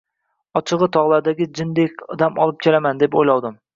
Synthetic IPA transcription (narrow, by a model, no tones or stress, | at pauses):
ɒt͡ʃʰɨʁɨt̪ʰɒʁlˠaɾd̪aɡʲɪd͡ʒɪnd̪ekʲɒd̪amɒ̰lˠɪp̚kʲʰelamand̪e̞po̰jlɒwd̪ɪm